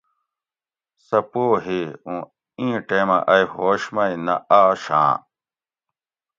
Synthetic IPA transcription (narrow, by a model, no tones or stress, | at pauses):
sɐpoːɦiũː | ĩːʈeːma̰ʔɐjɦoːɕmɐinɐaːɕã̰ː